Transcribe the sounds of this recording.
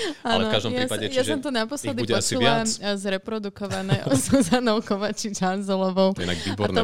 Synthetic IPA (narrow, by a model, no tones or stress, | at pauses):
alɛfkaʒd̪ɔmjɾaiaɛjasɔmt̪ɔnapɔslɛd̪iuɛɔat͡ʃsulˠazɾɛpɾɔd̪ukɔʋanɛʔɔzuzanɔʊkɔʋat͡ʃit͡ʃanzɛlɔʋɔʊɛ̰naɡʋiːbɔaɾn